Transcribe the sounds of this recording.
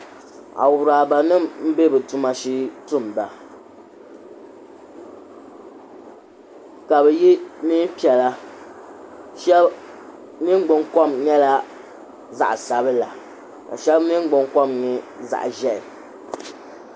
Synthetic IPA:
a̰˨wʊ˨ɾaː˨ba˨nɨ˦˨mm̩˦be˦bɛ˨tu˦ma˨ʃi˦tʊ˦˨m˨ba˨ | ka˨bɛ˨ji˦ni˦pi˨ɛ˨la˦ | ʃɛ˦b | nɨ˦ŋ˦ɡ͡bʊ˨ŋkɔ˦mɲɛ˦la˦ | za̰˨ʔsa˨bɨ˦la˨ | ka̰˨ʃɛ˦bnɨ˦ŋ˦ɡ͡bʊ˨ŋkɔ˦mŋɨ˨ | za̰˨ʔʒɛ˦ɪ˨

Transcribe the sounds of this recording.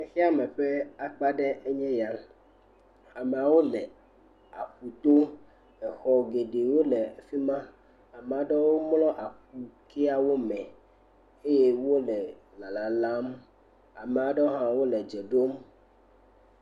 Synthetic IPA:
e˦xi˦a˦mɛ̃˨ɸe˦a˨k͡pa˦ɖɛ˦e˦ɲɛ̃˦ja˦ | a˨me˨a˨wo˦lɛ˨ | a̰˨ɸu˨t̪o˦ | ɛ˨xɔ˨ɡe˨ɖe˨wo˦lɛ˨fi˦mã˦ | a˨me˨a˨ɖɔ˦wo˦mlɔ̃˦ʔa˨ɸu˨ke˦a˦wo˦mɛ̃˨ | e˦je˦wo˦lɛ˨ | la˨la˨la˦m | a̰˨me˨a˨ɖe˦o˦ɦã˦wo˦lɛ˨d͡ʒɛ˨ɖo˦m

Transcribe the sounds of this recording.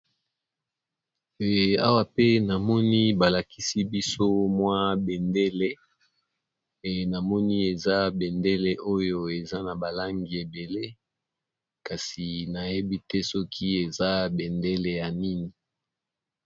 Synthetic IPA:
ɛ˨a˦wa˨pe˦na˨mɔ˦ni˦ba˨la˨ki˦si˦bi˦so˦mwa˦be˨nde˦le˦˨ | na˨mɔ˦ni˦e˨za˦be˨nde˦le˨ʔo˦jo˦e˨za˦na˨ba˨la˦ŋɡi˨e˨be˨le˦ | ka˨si˨na˨je˦bi˦tɛ˦sɔ˦kʰi˦e˨za˦bɛ˨nde˦le˨ja˨ni˦ni˨

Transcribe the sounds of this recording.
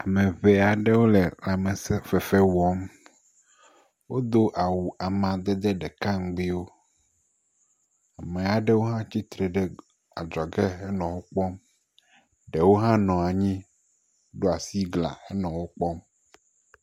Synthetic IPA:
a˨mẽ˨βɛ˨a˨ɖe˦wo˦lɛ˨la˨mẽ˨sɛ˦fɛ˨fe˦wɔ˦m | wo˦d̪o˦ʔa˨wu˨ʔa˨mã˨d̪ɛ˦d̪ɛ˦ɖɛ˨ka˦ŋ̩˨ɡ͡bi˦wo˦ | a˨me˨a˨ɖe˦wo˦ɦã˦t͡ɕi˦t̪ɾe˨ɖɛ˦ | a˨d͡ʒɔ˨ɡe˦e˦nɔ̃˨wo˦k͡pɔ˦m | ɖe˨wo˦ɦã˦nɔ̃˨a˨ɲĩ˦ | ɖo˦a˨si˦ɡlã̰˨e˦nɔ̃˨wo˦k͡pɔ˦m

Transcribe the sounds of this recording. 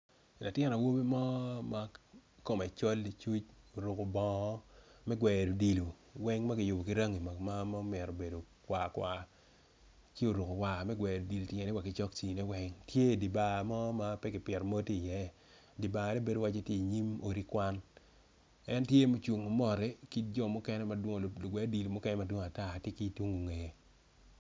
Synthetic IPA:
la˨tjɛ˦na˨wo˦bi˦mɔ˦ma˦ko˦mɛ˨t͡ʃo˦li˨t͡ʃu˦t͡ʃo˨ɾu˨ko˨bɔ̃˨˦mɛ˦ɡwɛ˨ɾu˨di˨lu˨ | wɛ˦ŋma˦kɪ˨jʊ˨bo˨ki˦ɾa˦ŋi˨ma˨ma˦ma˦o˦mɛ˨ɾo˨be˨do˨ | kwa˨kwa˨ | t͡ʃi˦o˨ɾu˨ko˨wa˨mɛ˦ɡwɛ˨do˨di˨ltje˨nɛ˦wa˨kɪ˨t͡ʃɔ˦k̚t͡ʃi˨nɛ˦wɛ˦ŋtʰje˦˨di˨ba˨mɔ˦ma˦pɛ˦kɪ˨pjɛ˨ɾmo˦ti˦˨jɛ˦ | di˨ba˨nɛ˦be˨do˨wa˦t͡ʃe˦tji˦i˨ɲi˦mo˨ɾi˦kwa˦n | ɛ˦ntje˦mo˦t͡ʃu˨ŋo˨mɔ˨ɾɛ˦ki˦t̚d͡ʒɔ˦˨mɔ˦kɛ˦nɛ˦ma˨dwo˦ŋ˨lo˨ɡwɛ˨˦di˨lu˨mɔ˦kɛ˦nɛ˦ma˦dwo˦ŋo˨a˨ta˦˨tje˦ki˦two˦ŋo˨ŋe˨je˨

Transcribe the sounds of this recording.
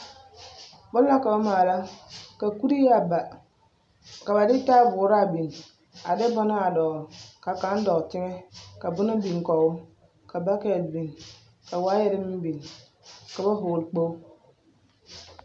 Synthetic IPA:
bʊ˦n˦a˦ka˨ba˦maː˨la˦ka˨ku˦ɾi˦ja˦ba˨ | ka˨ba˨dɪ˦ta˦bʊː˨˦ɾa˦˨bi˨n˨ | a˨dɪ˦bɔ˦na˦a˨dɔ˨ɣka˨ka˨˦n˦dɔ˨ɣtɪ˦ŋɛ˦ka˨bʊ˦na˦bi˨ŋ˨kɔ˨ʊ˦ | ka˨ba˦kɛ˨lbi˨n | ka˨waː˨˦jɛ˦ɾɪ˦mɪ˦m˦bi˨n˨ | ka˨ba˦ɦʊː˨lk͡po˦w

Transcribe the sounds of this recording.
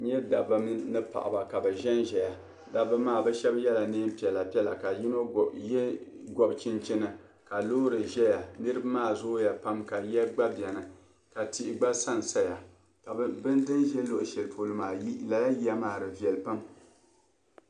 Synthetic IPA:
ɲɛ˦da˨bɨ˦m˦nɨ˦pa̰˨ʔa̰˨ba˨ka˨bɛ˨ʒɛ˦nʒɛ˨ja˨ | da˨bɨ˦maː˦˨bɛ˦ʃɛ˦bjɛ˦la˨niː˦m˦pi˨ɛ˨la˨pi˦ɛ˦la˨ka˨ji˦no˦ | ɡɔ˨bt͡ʃɪ˦nt͡ʃɪ˦nɨ˨ | ka˨lo˦ɾɨ˨ʒɛ˦ja˨nɨ˦ɾɨ˦ba˦maː˦˨zʊ˦ja˨pa˦mka˨jɛ˦ɡ͡ba˦bi˨ɛ˨nɨ˨ | ka˨ti˦ʔɪ˨ɡ͡ba˦sa˦˨n˨sa˦ja˨ | ka˨˦bɨ˦ndɨ˦nʒɛ˦lo˦ʔʊ˨ʃɛ˨lpʰo˨lɨ˦maː˨˦la˨la˦ji˦a˦maː˦˨ɾɨ˨vi˨ɛ˨lpa˦m

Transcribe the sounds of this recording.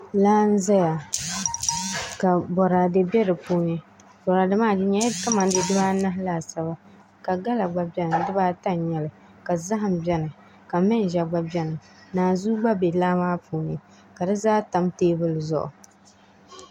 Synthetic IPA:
laː˦n̩˦zɛ˦ja˨ | ka˨bɔ˨ɾa˨dɨ˦˨bɛ˦ɾɨ˨puː˦ɲɪ˦ | bɔ˨ɾa˨dɨ˦maː˦˨dɪ˨ɲa˨˦jɪ˦ka˦ma˨n˦dɨ˨dɨ˦baː˦na˦ɦla˨sa˦βa˦ | ka˨ɡa˦la˨ɡ͡ba˨bɛ˦nɨ˨dɨ˦baː˦ta˦˨ɲɛ˨lɨ˨ | ka˨za˦ɦɨ˨m˨bɛ˦nɨ˨ | ka˨mɨ˦n˨ʒɛ˨ɡ͡ba˦bɛ˦nɨ˨ | naː˨zuː˦ɡ͡ba˦be˨laː˦maː˦pʰuː˦ɲɪ˨ | ka˨dɨ˦zaː˦ta˦mteː˦bɨ˦lɨ˨zʊ̰˦ʔʊ̰˨

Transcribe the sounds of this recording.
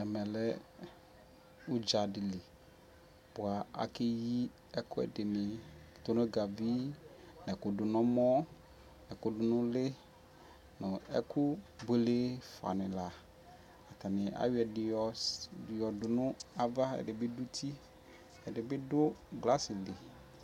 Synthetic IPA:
ɛ˨mɛ̃˨lɛ˦ | u˦d͡ʒa˨dɪ˨li˨ | b̥ʊ˨a˨a̰˨kɪ˦ji˦ | ɛ˦kʊ˦ɛ̰˨dɪ˨nɪ˨t̪ʊ˦nʊ̃˦ɡa˨vi˦ | nɛ˨kʊ˨dʊ˨nɔ̃˦mɔ˦ | nɛ˨kʊ˦dʊ˨nʊ̃˦lɪ˦ | nʊ̃˨ɛ̰˦kʊ˦be˨˦le˦fa̰˨nɪ̃˨la˨ | a˨t̪a˨nɪ˨ʔa̰˨wɪ˦ɛ˨dɪ˨ɔ˨jɔ˨dʊ˨nʊ̃˦a˦va˦ɛ̰˨dɪ˨bɪ˦dʊ˦tʰi˦ | ɛ˨dɪ˨bɪ˦dʊ˦ɡla˦sɪ˨lɪ˨

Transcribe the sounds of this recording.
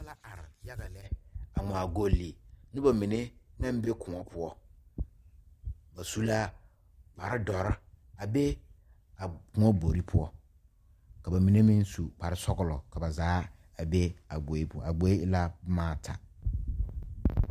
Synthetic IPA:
a˦la˦a˨ɾja˦ɡa˨lɛ˦a˨ŋɔ̃˨a˨ɡo˦lːi˨nʊ̃˦ba˨mĩ˨nɪ̃˦nã˦m̩˦be˦kʰʊ̃˨ɔ˦pʰʊ˦ɔ˦ | ba˨su˦la˦ | pʰa˨ɾɪ˦dɔ˨ɾ | a˨be˦ | a˨kʊ̃˦ɔ˦bo˨ɾi˦pʰʊ˦ɔ˦ | kʰa˨bɛ˨mĩ˨nɪ̃˦mĩ˦n̩˦su˨pʰa˨ɾɪ˦sɔ˦ɡʊ˨lɔ˨kʰa˨ba˨zaː˨˦ | a˨be˦a˨ɡ͡bo˨˦pʰʊ˦a˨ɡ͡bo˦i˦la˦mãː˦˨tʰa˨

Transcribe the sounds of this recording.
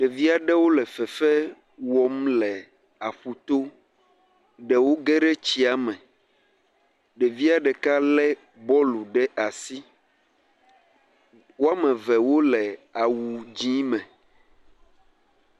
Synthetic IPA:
ɖɛ˨vi˦a˨ɖɛ˦wo˦lɛ˨fɛ˨fɛ˦ | wɔ˨m˦lɛ˨ | a˨ɸu˨t̪o˦ | ɖɛ˨wo˦ɡɛ˦ɖɛ˦t͡ɕi˦a˦mɛ̃˨ | ɖɛ˨vi˦a˨ɖɛ˨ka˦lɛ˦ | bɔ˦lu˨ɖɛ˦ʔa˨si˦ | wo˦a˦mɛ̃˨vɛ˨wo˦lɛ˨a˨wu˨d͡ʑĩ˦mɛ̃˨

